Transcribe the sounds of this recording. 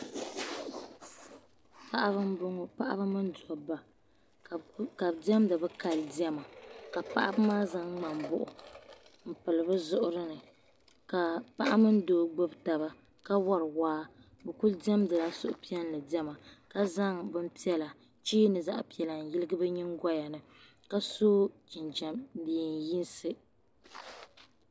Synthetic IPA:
pa˦ʔa˦bpa˦ʔa̰˦bɨ˦mɨ˦n˦dɔ˨ba˨ | ka˨dɛ˦mdɨ˨bɨ˦ka˨ldi˦ɛ˦ma˨ka˨pa̰˦ʔa̰˦bmaː˦za˦ŋŋ͡ma˨mbʊ˦ʔʊ̰˨ | m̩˦pɨ˨lɨ˨bɨ˦zʊ˦ʔʊ˦ɾɨ˦nɨ˨ | ka˨pa˦ʔa˦mɨ˦n˦doː˨ɡ͡bo˦bta˨ba˦ | ka˦wɔ˦ɾɨ˨waː˦ | bɨ˨ku˦ldɛ˦mdɨ˨la˦sʊ̰˦ʔʊ˦pi˦ɛ˦n˦lɨ˨di˦ɛ˦ma˨ka˦za˦ŋbɨ˦m̩˦pi˦ɛ˦la˨ | t͡ʃiː˦nɨ˨za˦ʔpi˨ɛ˨la˨n̩˨ji˦lɨ˦ɡɨ˦bɨ˦ɲi˦ŋ˦ɡɔ˦ja˨nɨ˨ | ka˦soː˦t͡ʃi˨nd͡ʒɛ˨mdi˨n˨˦ji˦n˦sɨ˦

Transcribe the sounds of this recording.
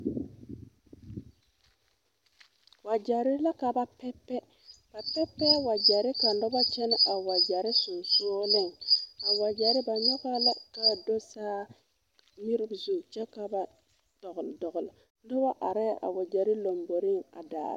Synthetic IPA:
wa˨d͡ʒa˨ɾɪ˦la˦ka˨ba˦pɛ˦pːɛ˦ | b̥a˨pɛ˦pːɛ˦a˦˨wa˨d͡ʒa˨ɾi˦ka˨n̩˦dɔ˦ba˦t͡ʃɛ˦n˦ʔa˨wa˨d͡ʒa˨ɾi˦su˨so˦le˦˨ŋa˨wa˨d͡ʒa˨ɾɪ˦ba˨ɲa˦ka˦la˦ka˨do˦saː˦ | mi˦ɾi˦bzu˨t͡ʃɛ˦ka˨ba˨ | d̥ɔ˨ɡldɔ˨ɡl | n˦dɔ˦ba˦ʔa̰˨ɾɛ˦˨ʔa̰˨wa˨d͡ʒa˨ɾi˦lo˨mbo˨ɾi˦ŋa̰˨da̰ː˨ɾ̰

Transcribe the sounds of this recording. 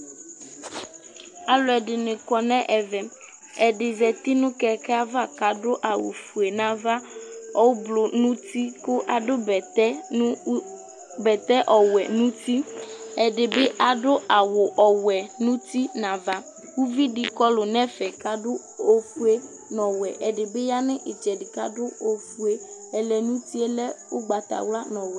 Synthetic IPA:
a˨lʊ˨ɛ˨dɪ˨nɪ̃˨kɔ˨nɛ̃˦ʔɛ˨vɛ˨ | ɛ˨dɪ˨zɛ˨t̪i˦nʊ̃˦kɛ˨kɛ˦a˦va˦˨ka˨˦dʊ˦ʔa˨wʊ̰˨fu˨e˨nã˦va˦ɔ˨˦wblʊ˨nũ˦t̪i˦kʊ˦ʔa˨dʊ˦bɛ˨t̪ɛ˦ | bɛ˨t̪ɛ˦ʔɔ˨wɛ˨nũ˦t̪i˦ɛ˨ɖɪ˨be˦ʔa˨dʊ˦a˨wʊ˨ʔɔ˨wɛ˨nũ˦t̪i˦nã˨va˦ | wu˦vi˦ɖɪ˨kɔ˦lʊ˨nɛ̃˦fɛ˨ka˨dʊ˦ | o˦fu˦e˦ | nɔ̃˨wɛ˨ʔɛ˨ɖɪ˨be˦ja˦nɪ̃˦ʔɪ˨d͡ʒɛ˨dɪ˨ka̰˦dʊ˦o˨fu˨˦e˦ɛ˨lɛ˨nũ˦t̪i˦ɛ˦lɛ˦wʊ˦ɡ͡ba˨t̪a̰˨wla˦nɔ̃˨wɛ˨

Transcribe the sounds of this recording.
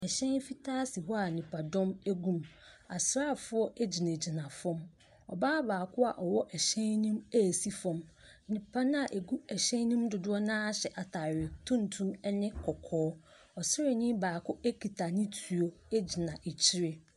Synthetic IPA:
ɛ˨ɕɛ̃˦n˦fi˦tʰaː˦si˨wɔ˦a˨nĩ˨pʰa˨dɔ̃˦mæ˦ɡũ˦ma˨sɾa˦˨fʊ˦ɔ˦ʔe˦d͡ʑi˨næ̃˨d͡ʑi˨nã˨fɔ̃˦m | ɔ̰˨baː˦baː˨kʰʊ˦a̰˨ʔɔ˨wɔ˦ʔɛ˨ɕɛ̃˦nnĩ˦mæ˦˨si˦fɔ̃˨m˦ | nĩ˨pʰa˦nʊ̃˦a˨ʔe˨ɡu˦ɛ˨ɕɛ̃˦n˦nĩ˦mdʊ˨dʊ˦ɔ˦nãː˦a˦ɕɛ˨ʔa˨tʰa˨ɾɪ˨tʰũ˦n˨tʰũ˦mɛ˦nɪ̃˦kʰɔ˨kʰɔː˦ | ɔ˨sɪ˦ɾɪ˨nĩ˦baː˨kʰʊ˦ʔe˦kʰi˨tʰa˨nɪ̃˦tʰu˨o˦e˦d͡ʑi˨nã˨ʔe˨t͡ɕʰi˦ɾe˦

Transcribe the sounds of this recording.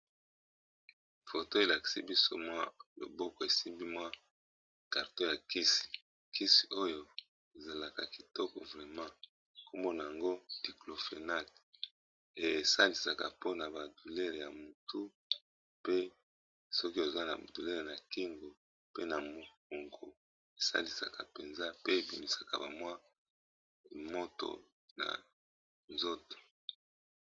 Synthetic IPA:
fo˨to˦e˨la˨ki̥˨si˦bi˦so̰˦mwa˦lo̰˨bɔ˦kɔ˨e˨si˦mbi˦mwa˦ | ka˨ʁto˦ja˨ki˦si̥˨ | ki˦si˨o˦jo˨ | e˨za˨la˨ka˨ki˨tɔ˦kɔ˨vʁɛ˨mã˦ | ko˦mbo˦na˨ja˨ŋɡo˦di˨klo˨fe˨na˦t | e˨sa˦li˨sa˨ka̰˨po˦na˨ba˨du˨lɛ˦ʁja˨mu˨tʰu˦ | pe˦ | sɔ˦ki˦o˨zwa˦na̰˨bo˨du˨lɛ˦ʁe˨na˨ki˦ŋɡo˨ | pe˦na˨mo˨ko˨ŋɡo˨ | e˨sa̰˦li˨sa̰˨ka˨pe˨nza˦pe˦e˨bi˨mi˨sḁ˨ka̰˨ba˨mwa˦ | mo˦to̰˨ | na̰˨ | nzo˦to̥˨

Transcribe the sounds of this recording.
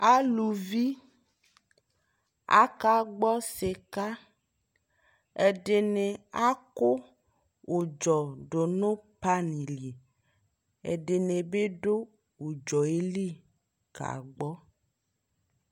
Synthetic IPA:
a˦lu˨vi˦ | a̰˦ka˦ɡ͡bɔ˦se˨ka˦ | e˨ɖe˨ne˨a˦ko˦ | wʔo˨d͡ʒɔ˨ɖo˨nõ˦pa˦ni˨li˨ | ḛ˨ɖe˨ne˨be˦ɖo˦ | wo˨d͡ʒɔ˨e˦li˦˨ | ka̰˨ɡ͡bɔ˦

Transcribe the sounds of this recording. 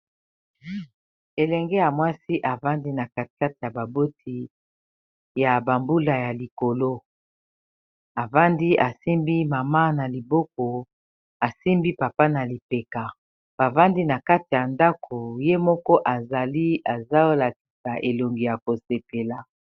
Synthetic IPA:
e˨lɛ˨ŋɡɛ˦ja˨mwa˦si˦ʔa˨va˦ndi˦na˨ka˦tka˦ti˨ja˨ba˨bo˦tʰi˦ | ja˨ba˨mbu˦la˨ja˨li˨ko˨lo˦ | a˨va˦ndi˦ʔa˨si˦mbi˦ma˨ma˦na˨li˨bɔ˦k̚ɔ˨ | a˨si˦mbi˦pa˨pa˦na˨li˨pe˨ka˨ | b̥a˨va˦ndi˦na˨ka˦ti˨ja˨nda˦kʰo˨je˦mɔ˦kɔ˦ʔa˨za˨li˦a˨za˦o˦la˨ki˨sa˨ʔe˨lo˨ŋɡi˨ja˨ko˨se˨pe˨la˨

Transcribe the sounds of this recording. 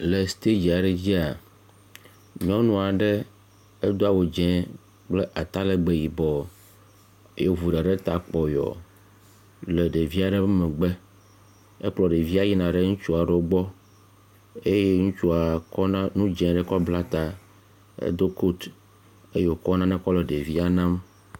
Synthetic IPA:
le˨st̪e˦d͡ʒi˨a˨ɖe˦d͡ʑi˦a˨ | mĩ˦ɔ̃˦o˦nũ˦a˨ɖe˦ | e˦d̪o˦a˦˨wo˨d͡ʒɛ̃˦ | k͡ple˦ʔa˨t̪a˦le˦ɡ͡be˦ji˨bɔ˨˦ | jo˦vu˨ɖe˨ɖe˦t̪a˨k͡pɔ˨jɔ̰˨ | le˨ɖe˨vi˦a˨ɖɛ˦mẽ˨ɡ͡be˦ | e˦k͡plɔ˨ɖe˨vi˦a˦ji˦nã˨ɖe˦ŋũ˦t͡ʃu˦a˨ɖɛ˨wo˦ɡ͡bɔ˦ | e˦je˦ŋũ˦t͡ʃu˦a˨kɔ˦ñ˦nũ˦d͡ʒɛ̃˨ɖɛ˦kɔ˦bla˦t̪a˨ | ḛ˦d̪o˦ko˦t̪ | e˦je˦˨wo˨kɔ˦nã˦nɛ̃˦kɔ˦lɛ˨ɖe˨vi˦a˨nã˦m

